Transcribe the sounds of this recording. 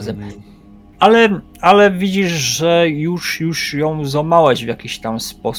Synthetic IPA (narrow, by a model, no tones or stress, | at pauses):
zɛm | alɛ | alɛvʲid͡ʑiʂʐɛjuʂjuʂjɔ̃w̃zamawɛʑvʲjakʲiɕt̪amspɔs